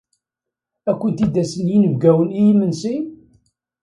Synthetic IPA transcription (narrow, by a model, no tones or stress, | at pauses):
ækʷːənt̪id̪æsənjinəvɡæwənijimːənsi